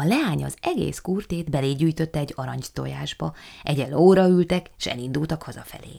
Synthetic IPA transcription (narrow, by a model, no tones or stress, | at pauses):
ɒlɛaːɲɒzɛɡḛːskuːrt̪eːd̪bɛleːɟyːjt̪ø̞t̪ːɛːɟːɒɾɒɲt̪o̞̰ja̰ːʒbɒʔɛɟɛlːoːɾɒylt̪ɛkːʃɛ̰lind̪ult̪ɒkhɒzɒ̰fɛ̰lḛː